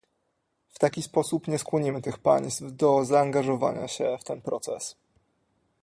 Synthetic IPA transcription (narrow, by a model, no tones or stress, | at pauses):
ft̪akʲispɔsupɲɛskwɔɲimɘt̪ɘxpa̰ɲst̪vd̪ɔzaːŋɡaʐɔva̰ɲa̰ɕɛft̪ɛnpɾɔt̪sɛs